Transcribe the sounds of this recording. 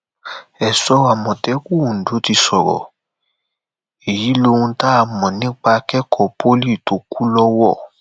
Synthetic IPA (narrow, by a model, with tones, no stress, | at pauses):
ɛ˨sɔ˧˨a˨mɔ̃˨tɛ˨˦ku˦˨ũ˨du˨˦ti˧sɔ˨ɾɔ̰˨ | e˨ji˨˦lo˧˦wũ˧ta˦a˧mɔ̃˨nĩ˨˦k͡pa˧kɛ˦kʰɔ˦˨po˦li˦˨to˨˦ku˦lɔ˦wɔ˦˨